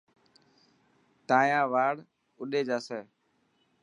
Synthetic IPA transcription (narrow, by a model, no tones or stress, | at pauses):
t̪aːjãːʋaːɽ | ʊɗeːd͡ʒaːsɛː